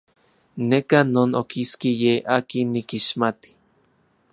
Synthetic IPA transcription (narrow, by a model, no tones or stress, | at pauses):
nekanoːnokʰiskijeʔakinːikiʃmat̪i̥